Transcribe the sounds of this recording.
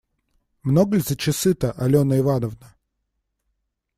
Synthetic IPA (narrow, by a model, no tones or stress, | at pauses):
mnoɡəlʲzət͡ɕɪsɨt̪əʔɐlʲonəɪvanəvnə